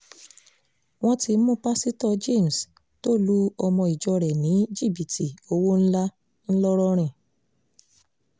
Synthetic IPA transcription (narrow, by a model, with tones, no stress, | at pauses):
w̃ɔ̃˦ti˧˦mũ˦pa˦si˦tɔ˦˧d͡ʒe˦˨m̩˨s | to˦˨lu˦ɔ˧mɔ̃˧i˨d͡ʒɔ˧ɾɛ˨nĩ˨˦d͡ʒi˦˨bi˨tʰi˨o˧wo˦n̩˦la˦ | n̩˦lɔ˦ɾɔ˦˧ɾ̃ɛ̃˦˨